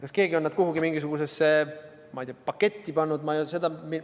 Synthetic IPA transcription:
kɑske̞ːɡio̞nːæd̪̚kuɦuɡimiŋɡ̥isuɡ̥use̞sːe | mɑijd̪iˑɑpɑkːe̞t̪ʲːipɑnːud̪mɑjuse̞d̪ɑmi

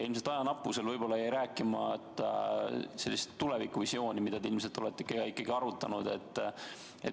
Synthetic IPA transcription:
jɑilmse̞lt̪ːˑɑjɑnɑpːˑuse̞lvɤjbo̞lːɑejɾæːkːˑimɑt̪ːɑse̞lːist̪ːulevikːuvisjo̞ːnʲimid̪ɑd̪eilms̬e̞lt̪ːˑo̞le̞t̪ːeikːˑeɑikːˑɑɡiɑɾut̪ːˑɑnud̪̥e̞̰t̪ˑː | ḛt̪

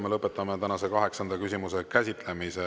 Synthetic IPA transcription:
melɤpːˑe̞t̪ːˑɑmet̪ænɑse̞kɑɦe̞ksɑnd̪̥ɑkysʲimuse̞kæsʲit̪ˑle̞mise

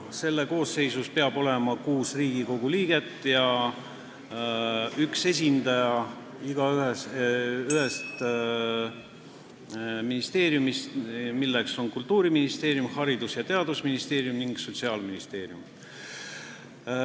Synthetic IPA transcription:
se̞lːe̞ko̞ːsːe̞jsuspe̞ɑbo̞le̞mɑkuːsriːɡiko̞ɡ̥uliːɡ̥e̞t̪ːˑjɑ | ykse̞s̬ʲind̪ɑjɑ | iɡ̥ɑyɦe | yɦest̪ | minist̪e̞ːɾjumist̪milːe̞kso̞nkult̪ːuːɾiminist̪e̞ːɾjumhɑɾid̪usjɑt̪e̞ɑd̪̥usminist̪e̞ːɾjumniŋɡ̥so̞t̪ʲsiɑːlminist̪e̞ːrjum

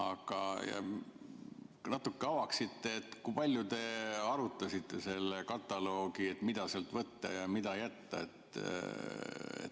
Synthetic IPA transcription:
ɑɡ̥ɑjɑ̰ | nɑt̪ːukːeɑwɑksit̪ːe̞ːt̪ːˑkuipɑlʲjut̪e̞ɑɾut̪ːˑɑsit̪ːe̞se̞lːekɑt̪ˑːɑlo̞ːɡiet̪mid̪̥ɑselt̪vɤt̪ːɑ̰jɑmid̪̥ɑjæt̪ːɑ̰e̞t̪ | ḛt̪

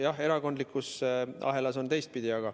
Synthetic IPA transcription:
jɑɦe̞ɾɑko̞nd̪likːˑusɑ̰ɦe̞lɑso̞nt̪e̞jst̪̚pid̪iɑɡ̥ɑ

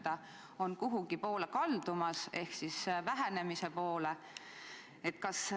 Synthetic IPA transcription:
d̪̥ɑ | o̞nkuɦuɡipo̞ːlekɑld̪̥umɑse̞hksisvæɦæne̞mise̞po̞ːle | e̞t̪ːkɑs

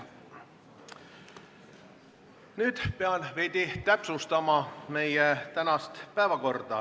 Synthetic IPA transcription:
nyːd̪̥peɑlveːd̪̥ʲit̪æpsust̪ɑmɑme̞jet̪ænɑst̪pæevɑko̞rd̪̥ɑ

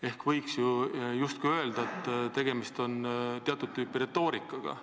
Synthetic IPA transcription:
e̞hkvɤjksjujust̪̚kujø̞eld̪̥ɑet̪ːˑt̪e̞ɡ̥e̞mist̪o̞nt̪eɑt̪ud̪̚t̪ːyːpːiɾe̞t̪ːo̞ːɾikːˑɑɡ̥ɑ̰

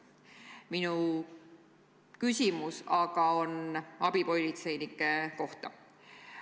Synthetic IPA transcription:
minu | kysʲimusɑɡ̥ɑo̞nɑbipo̞lʲit̪se̞jnikːˑeko̞ht̪ɑ̰

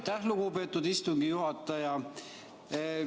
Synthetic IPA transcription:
t̪ːæhluɡupe̞ːt̪ːud̪̥ist̪uŋɡijuɦɑt̪ːˑɑjɑ

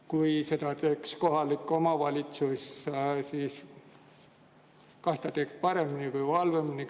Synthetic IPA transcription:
kujse̞t̪ɑt̪e̞ːksko̞ɦɑlikːo̞mɑvɑlʲit̪sussiːs | kɑst̪ɑt̪ekspɑɾe̞minikuivɑlve̞mini

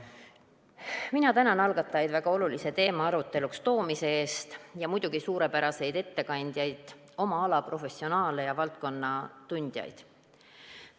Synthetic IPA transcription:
minɑt̪ænɑnɑlɡ̥ɑt̪ˑːɑjɑjd̪væɡ̥ɑo̞lulise̞t̪e̞ːmɑɑɾut̪ːˑe̞lukst̪o̞ːmise̞eːst̪jɑmujd̪̥uɡ̥isuːɾe̞pæɾɑse̞jd̪̥e̞t̪ːe̞kɑnʲd̪̥jɑjd̪̥ | o̞mɑɑlɑpro̞fe̞sːio̞nɑːlejɑvɑlt̪̚ko̞nːɑt̪unʲd̪̥ʲjɑ̰jd̪̥

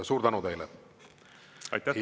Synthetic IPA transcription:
suːɾd̪ænud̪e̞jlɛ | ɑ̰jt̪ːæ

